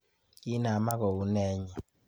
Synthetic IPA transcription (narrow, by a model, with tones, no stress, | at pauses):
ki˦na˨ma˦kɔ˨u˦nɛ˦ɲɛ˨